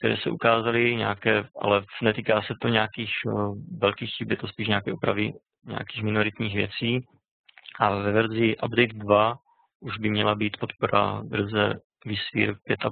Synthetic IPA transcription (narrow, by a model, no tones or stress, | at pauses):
k̚t̪ɛɾɛ̰ːsɛ̰ʔukaːzalɪɲa̰akɛːʔa̰lɛnɛt̪iːkaːsɛt̪o̞ɲɛakiːxvɛlkiːxxibɪɛt̪ospiːʃɲaːkɛːopɾavɪ | ɲɛ̰akiːxmɪnoɾɪt̪ɲiːxvjɛt͡siː | ʔavɛvɛɾzɪʔabdɛjd̪dva | ʔuʒbɪmɲɛlabiːt̪pot̪poɾa̰vɾ̩zɛ | vɪsvḭːɾpjɛt̪ʔa